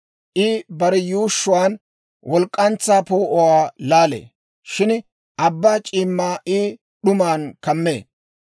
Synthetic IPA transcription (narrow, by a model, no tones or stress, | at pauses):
ʔɪbɐɾɛjuːʃːʊwaːn | wʔɔlkʼːɐnt͡sːaːpoːʔɔwaːlaːlḛː | ʃɪn | ʔɐbːat͡ʃʼiːmːaːʔɪ | ɗʊmaːnkɐmːḛː